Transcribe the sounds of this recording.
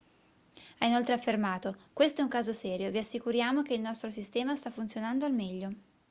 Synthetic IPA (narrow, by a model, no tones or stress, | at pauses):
ainolt̪ɾeafːermaːt̪okwest̪oɛuŋkaːzosɛːɾjoviasːikuɾjaːmok̟eilnɔst̪ɾos̬ist̪ɛːmast̪afːunt̪sjonand̪oalmɛʎːo